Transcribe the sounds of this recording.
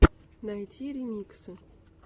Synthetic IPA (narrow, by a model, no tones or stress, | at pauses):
najtʲʰiɾʲɪmʲiksɨ